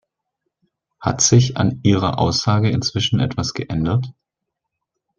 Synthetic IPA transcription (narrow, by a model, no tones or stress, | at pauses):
ha̰tz̥ɪça̰nʔiːʁɐʔa̰ʊsz̥aːɡəɪnt͡sv̥ɪʃn̩ʔɛ̰tv̥asɡ̥əʔɛndɐt